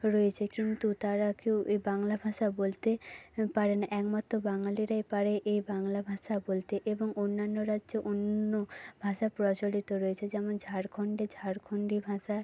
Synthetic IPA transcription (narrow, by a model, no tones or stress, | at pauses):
ɾɔjet͡ɕʰekint̪ut̪aɾakewʔebaŋlabʱaʃabolt̪epaɾenaʔɛkmat̪ːɾobaŋaliɾajpaɾeʔejbaŋlabʱaʃabolt̪eʔeboŋonːanːoɾadʑoʔonːobʱaʃapɾɔt͡ɕolit̪oɾɔet͡ɕʰed͡ʑɛmond͡ʑʱaɾkʰoɳɖed͡ʑʱaɾkʰoɳɖibʱaʃa